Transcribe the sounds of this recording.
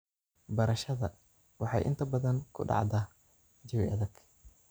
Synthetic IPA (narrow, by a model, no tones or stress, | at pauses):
bɐɾɐʃɐðɐ | wɑħɑ̰jʔɪ̰nt̪ʰɐbɐðɐnkʰʊ̰ɖɑ̰ʕd̪aː | d͡ʒɐwiʔɐðɐɡ̥